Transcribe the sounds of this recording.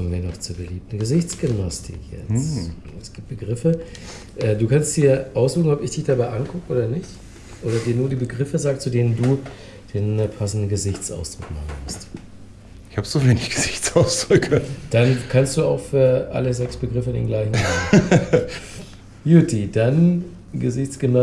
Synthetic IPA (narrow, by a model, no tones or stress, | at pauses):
miːɐnɔχt͡suːɐbəliːp̚tn̩ɡəzɪçt͡sɡ̥ʏmnastʰɪ̰kʰjɛ̰t͡s | ɛsɡ̥iːp̚t̚b̥əɡʁɪfə | ʔɛːduːkʰanstd̥iːɐʔaʊsz̥uːxŋ̩ɔpɪçd̥ɪçd̥abaɪʔankʰʊkəʔoːdɐnɪçt | ʔoːɾɐdiːɐnuːɐdiːbəɡʁɪfəzaːk̚t͡sudeːnənduː | d̥eːnpʰasn̩dn̩ɡəzɪçt͡sʔa̰ʊsd̥ʁ̥ʊkma̰χən̩mʊst | ɪçhaːbəzoveːnɪçɡ̥əzɪçt͡saʊsd̥ʁʊkʰəd̥ankʰanstd̥uːa̰ʊxfyːɐʔa̰ləzɛksb̥əɡʁɪfəɪndḛːnɡlaɪçn̩an | jutʰid̥an | ɡəzɪçt͡sɡ̥ənɔ